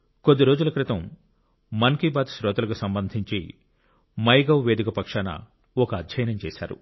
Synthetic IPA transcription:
kod̪ːiɾoːd͡ʒulɐkɾɪt̪ɐmː | ɐŋkibaːt̪sɾɔːt̪ɐlɐkusɐmbɐnd̪ʱiɲt͡ʃi | mɐjɡɐwʋeːd̪ikɐpɐkʂaːnɐ̰ | ɔkɐːd̪ʱɐjɐnɐmt͡ʃɛːsa̰ːɾṵ

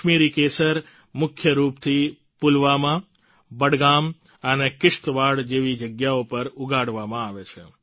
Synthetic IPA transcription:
miɾikesəɾ | mʊkʰjəɾupt̪ʰi | pulʋamã | bəɽɡam | ənekɪʂt̪ʋaɽd͡ʒeʋid͡ʒəɡjaopəɾuɡʱaɽʋamãaʋet͡ʃʰḛ

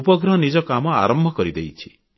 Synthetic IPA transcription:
upɔɡɾɔɦnid͡ʒɔkamɔa̰ɾɔmbʱɔkɔɾid̪ejt͡ʃʰi̥

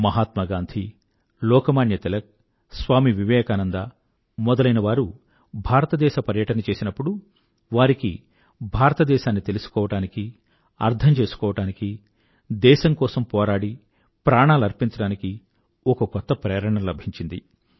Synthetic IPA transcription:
mɐɦaːt̪mɐɡaːnd̪ʱʰi | lɔːkɐmaːnjɐt̪ɛlɐk̚ | sʋaːmiʋiʋɛːkaːnɐnd̪ɐ | mɔd̪ɐlɐjnɐʋaːɾu | bʱaːɾɐt̪ɐd̪ɛːʃɐpɐɾjɐʈɐnɐt͡ʃe̞ːsinɐpːuɽu | ʋaːɾiki | bʱaːɾɐt̪ɐd̪ɛːʃaːnːit̪e̞lusu̥kɔːʋɐʈaːniki | ɐ̰ɾd̪ʱʰɐɲt͡ʃe̞ːsu̥kɔːʋɐʈaːniki | d̪ɛːʃɐŋkɔːsɐmpɔːɾaːɽi | pɾaːɳaːluɐɾpiɲt͡ʃɐɽaːniki | ɔkɐkɔt̪ːɐpɾɛːɾɐɳɐnlɐbʱiɲt͡ʃind̪i

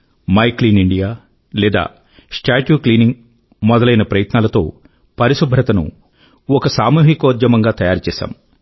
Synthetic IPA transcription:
mɐjkliːniɳɖijaː | lɛːd̪a̰ː | sʈaːʈjuːkliːniŋɡ | mɔd̪ɐlɐjnɐpɾɐjɐt̪naːlɐt̪o̞̰ː | pɐɾisubʱɾɐt̪ɐnṵ | ɔkɐsaːmuːɦikoːd̪jɐmɐŋɡaːt̪ɐjaːɾut͡ʃɛːsa̰ːm

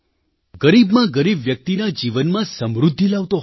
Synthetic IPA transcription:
ɡəɾibmãɡəɾibʋjək̚t̪inad͡ʒiʋənmãsəmɾud̪ʱːilaʋt̪oɦ

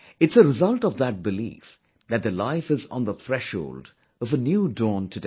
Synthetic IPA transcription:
ɨtsəɾɪzʌlˠtʌvðət̚bɨlḭf | ðɨt̪̚ðɨlaɪfɨz̃n̩ðəθɹɛʃhoʊld | ʌvənjuːdɔːntʰɨd

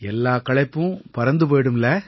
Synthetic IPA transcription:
ɛlːaːkɐɭɐɪpːɯ̃pɐɾɐnd̪ɯpoːɽɯmlɛ

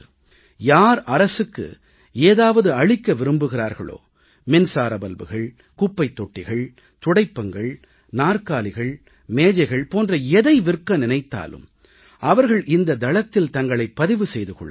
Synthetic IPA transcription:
jaːɾɐɾɐsɯkːɯ̰ | eːðaːʋɐðɯɐɭɪkːɐʋɪɾɯmbɯɣɪraːɾɣɐ̰ɭo̰ː | mɛnsaːɾɐbɐlbɯ̰ɣɐɭ | kʊpːɐɪt̪ːɔʈːɪɣɐɭ | t̪ʊɽɐɪpːɐŋɡɐɭ | naːrkaːlɪɣɐɭ | meːd͡ʒɐɪɣɐɭpoːndrɐɛðɐɪʋɪrkːɐnɪnɐɪt̪ːa̰ːlɯ̰m | ʔɐʋɐɾɣɐɭʔɪnd̪ɐd̪ɐɭɐt̪ːɪlt̪ɐŋɡɐɭɐɪpːɐðɪʋɯsɛjðɯkɔ̰ɭː

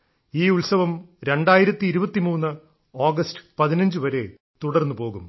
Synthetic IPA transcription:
iːuɭsɐʋɐmɾe̞ɳɖaːjiɾɐt̪ːiːɾubɐt̪ːimuːnːɨ | oːɡɐstɨ̥pɐðinɐɲd͡ʑɨʋɐɾe̞ | t̪uɽɐrnːupo̞ːɣum

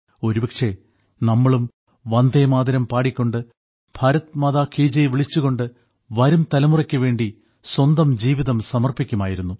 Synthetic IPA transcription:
o̞ɾubɐkʂe̞ | nɐmːɐɭum | ʋɐnd̪ʱemaːd̪iɾɐmpaːɽikʲːo̞ɳɖɨ | b̥ʱaːɾɐt̪mɐðaːkʰiːd͡ʑɐjʋiɭit͡ɕːuɣo̞ɳɖɨ | ʋɐɾumt̪ɐlɐmurɐkʲːɨʋe̞ːɳɖi | swɐnd̪ɐmd͡ʑiːʋiðɐmsɐmɐrpikʲːumaːjiɾunːu

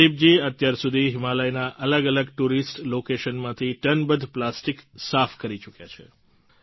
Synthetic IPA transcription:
ib̚d͡ʒiət̪jaɾsud̪ʱiɦɪmaləjnaʔələɡələɡʈuɾisʈlokeʃənmãt̪ʰiʈənbəd̪ʱplasʈiksafkəɾit͡ʃukjat͡ʃʰḛ

